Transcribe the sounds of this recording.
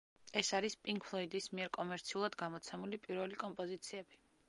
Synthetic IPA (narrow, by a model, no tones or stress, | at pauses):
ɛsaɾispʼiŋkpʰlˠɔid̪ismiɛɾkʼɔmɛɾt̪sʰiulˠad̪ɡamɔt̪sʰɛmulipʼiɾvɛlikʼɔmpʼɔzit̪sʰiɛb̥i